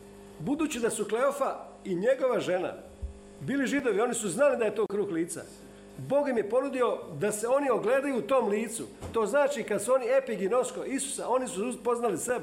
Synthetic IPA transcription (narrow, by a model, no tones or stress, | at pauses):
bud̪uːt͡ɕid̪asukle̞ofa | iɲe̞ɡo̞ʋaʒe̞na̰ | biːliʒid̪o̞ʋio̞nisuznalid̪aje̞t̪o̞ːkɾuːxliːt̪sa̰ | bo̞ːɡjimje̞po̞nud̪io̞d̪ase̞o̞nio̞ɡleːd̪ajuːt̪o̞ːmliːt̪sṵt̪o̞ːznaːt͡ʃikad̪suo̞niepiɡino̞sko̞ʔisu̥sao̞nisupo̞znalise̞be